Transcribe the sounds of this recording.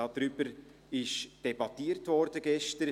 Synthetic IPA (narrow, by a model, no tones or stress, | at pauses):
ɑd̥ɾyb̥əɾ | ɪʃd̥ɛbɑtiːrtvɔɾd̥əɡɛʃtəɾ